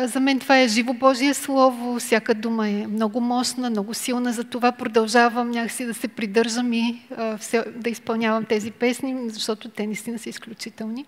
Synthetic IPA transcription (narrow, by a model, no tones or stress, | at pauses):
zɐmɛnt̪ovaɛʒivobɔʒiəslˠɔvʊfsʲjakəd̪uməɛmnɔɡʊmɔʃnəmnɔɡʊsilˠnəzɐt̪ovapɾod̪ɐlˠʒavəmnʲjaksid̪ɐsɛpɾid̪ɤɾʒəmifsɛd̪ɐispɐlˠnʲavɐmt̪ɛzipɛsnizɐʃt̪ɔt̪ʊt̪ɛnɐist̪inəsəisklʲut͡ʃit̪ɛlˠni